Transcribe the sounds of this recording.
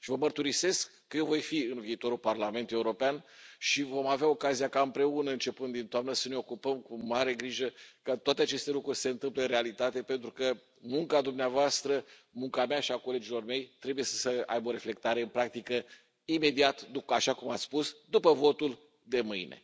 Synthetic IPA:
ʃivəmərt̪uɾise̞skːəje̞vo̞jfiɨnviːt̪o̞ɾulparlame̞nt̪ulje̞uɾo̞peanʃivo̞maveao̞kazijakaɨmpɾe̞unəɨnt͡ʃe̞pɨnd̪int̪oamnəsəne̞o̞kupəmkumaɾe̞ɡɾiʒəkat̪oat̪eat͡ʃe̞st̪e̞lukɾurʲsse̞ɨnt̪ɨmpleɨnrealit̪at̪e̞pe̞nt̪ɾukə | muŋkad̪umneavoast̪ɾəmuŋkameaʃiako̞le̞d͡ʒilo̞rme̞jt̪ɾe̞buje̞sə̥səa̰jbo̞ɾe̞fle̞k̚t̪aɾe̞ɨnpɾak̚t̪ikə | ime̞d̪iat̪d̪uaʃakumat̪sspusd̪upəvo̞t̪ul | d̪e̞mɨjne̞̰

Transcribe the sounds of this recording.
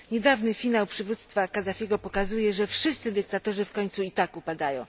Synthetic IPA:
ɲɛd̪avnɘfʲinawpʂɘvut̪st̪fakad̪afʲjɛɡɔpɔkazujɛʐɛfʂɘst̪sɘd̪ɘk̚t̪at̪ɔʐɘfkɔɲt̪suit̪akupad̪ajɔ̃w̃

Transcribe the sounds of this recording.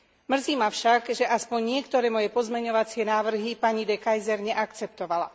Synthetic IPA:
mr̩ziːmafʃaɡʒɛʔaspɔɲɲɪɛkt̪ɔɾɛːmɔjɛpɔzmɛɲɔʋat͡sɪɛnaːʋr̩ɦipaɲid̪ɛkajzɛɾɲɛʔakt͡sɛp̚t̪ɔʋala̰

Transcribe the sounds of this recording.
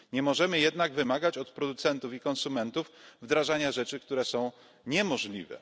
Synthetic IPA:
ɲɛmɔʐɛmɘjɛd̪naɡvɘmaɡat͡ɕɔt̪pɾɔd̪ut̪sɛnt̪ufikɔ̃nsumɛnt̪ufvd̪ɾaʐaɲaʐɛt͡ʂɘk̚t̪uɾɛsɔ̃w̃ | ɲɛmɔʐlʲḭvɛ̰

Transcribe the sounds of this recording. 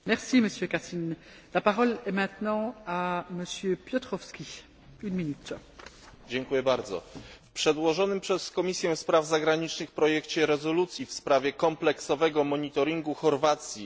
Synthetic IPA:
mɛʁsiməsjøkasin | lapaʁɔlɛmɛ̃t̪nɑ̃aməsjøpjɔt̪χɔfskʲi | ynminyt̪ | d͡ʑɛŋkujɛbaɾd̪zɔ̰fpʂɛd̪wɔʐɔnɘmpʂɛskɔmʲisʲjɛ̃fspɾavzaɡɾaɲit͡ʂnɘxpɾɔjɛkt͡ɕɛɾɛzɔlut̪sʲjifspɾavʲjɛkɔ̃mplɛksɔvɛɡɔmɔɲit̪ɔɾiŋɡuxɔɾvat̪sʲji

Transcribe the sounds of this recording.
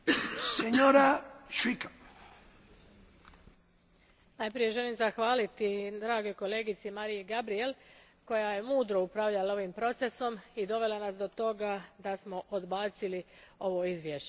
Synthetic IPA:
seɲoɾaʃikḁ | najpɾije̞ʒe̞limzaxʋaːlit̪id̪ɾaːɡo̞jko̞le̞ːɡit̪simaɾijeɡabɾije̞l | ko̞jaje̞muːd̪ɾo̞upɾaʋʎalaoʋimpɾo̞t̪se̞so̞mid̪o̞ʋe̞lanasd̪o̞t̪o̞ɡad̪asmo̞ʔod̪baːt̪silio̞ʋo̞izʋjeːʃt͡ɕe

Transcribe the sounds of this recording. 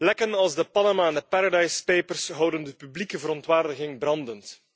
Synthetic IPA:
lɛkənɑlˠzdəpɑnamaɛndəpaɾadɑjspeːpərsɦʌwdəndəpyblikəvəɾɔntʋaːrdəɣɪŋbrɑndənt

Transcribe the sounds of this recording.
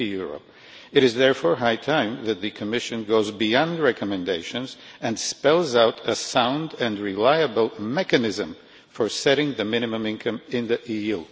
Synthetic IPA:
jʊɹə̰p̚ | ɨɾɨzðɛɹfɔɹɦaɪtʰãɪ̃mðɨt̪̚ðɨkʰɨmɪʃɨ̃nɡoʊzbiɑ̃ndɹɛkʰəmɨ̃ndeɪʃɨ̃nz | ɨ̃nspɛlˠzaʊɾəsãʊ̃ndɨ̃nɹɪlaɪɨbl̩ˠmɛkɨnɪzɨ̃m | fə˞sɛɾɪ̃ŋðɨmɪ̃ñɨmə̃mɪ̃nkʰʌ̃mɪ̃nðiʔiju

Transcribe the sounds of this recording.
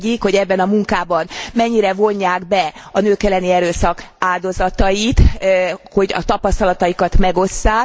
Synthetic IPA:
ikho̞ɟɛbːɛnɒmuŋkaːbɒnmɛɲːiɾɛvo̞ɲːaːɡbɛɒnøːkɛlːɛniɛɾøːsɒkaːld̪o̞zɒt̪ɒjit̪ho̞ɟɒ̰t̪ɒpɒst̪ɒlɒt̪ɒjikɒt̪mɛɡo̞sːaː

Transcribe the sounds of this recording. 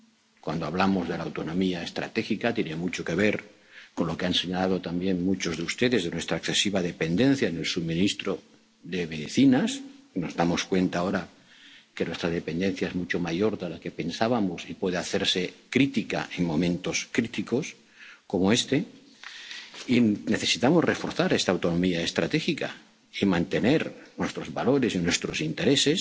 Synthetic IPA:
kwa̰nd̪oaβ̞lamo̞zðe̞lawt̪o̞nõ̞miaest̪ɾa̰t̪e̞xikat̪je̞nemut͡ʃoke̞β̞e̞ɾ | konlo̞keanse̞ɲalaðo̞t̪ambje̞nmut͡ʃo̞zðeust̪e̞ðezðenwe̞st̪ɾaekθe̞siβað̞e̞pe̞nd̪e̞n̟θjaene̞lsumĩnist̪ɾo | ðe̞βeðθinasno̞zðamo̞skwe̞nt̪ao̞ɾa | ke̞nwest̪ɾað̞e̞pe̞nd̪e̞n̟θjaezmut͡ʃomaʝo̞ɾðelake̞pe̞nsaβamosipwe̞ð̞eaθe̞ɾse̞kɾit̪ika̰ʔe̞ŋmõ̞mẽ̞nt̪o̞skɾit̪iko̞s | ko̞moe̞st̪e̞ | ineθe̞sit̪amozre̞fo̞ɾθaɾe̞st̪aːwt̪o̞nomiaest̪ɾa̰t̪e̞xika̰ | imãnt̪e̞ne̞ɾnwe̞st̪ɾo̞zβalo̞ɾe̞sinwe̞st̪ɾo̞sint̪e̞ɾe̞se̞s

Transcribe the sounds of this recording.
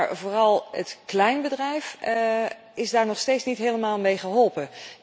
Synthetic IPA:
ɹvoːrɑlˠətklɛjnbədrɛjf | ɪzdaːɹnɔχstejtsnitɦeːləmaːlˠmejχəɦɔlˠpə

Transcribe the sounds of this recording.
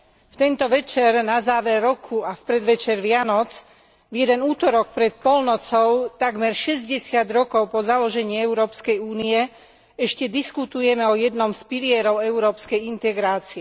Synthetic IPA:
ft̪ɛnt̪ɔʋɛt͡ʃɛɾnazaːʋɛɾːɔkʰuafpɾɛd̪ʋɛt͡ʃɛɾʋɪanɔt͡s | vjɛd̪ɛnuːt̪ɔɾɔkpɾɛt̪̚pɔlnɔt͡sɔʊt̪aɡmɛɾʃɛzɟɛsɪad̪ɾɔkɔʊpɔzalɔʒɛɲɪiɛʊɾɔːpskɛjuːniɛ | ɛʃcɛd̪iskut̪ujɛmɛɔjɛd̪nɔmspilɪɛɾɔʊɛʊɾɔːpskɛjint̪ɛɡɾaːt͡siɛ

